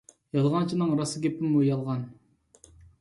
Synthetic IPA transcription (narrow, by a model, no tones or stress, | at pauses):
jɑlˠʁɑnt͡ʃʰinɨŋɾɑsɨɡʲepɪmujɑlˠʁɑn